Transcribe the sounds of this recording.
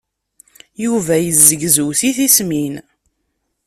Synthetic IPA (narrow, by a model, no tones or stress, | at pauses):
juvæjəzːəɡzəwθiθismin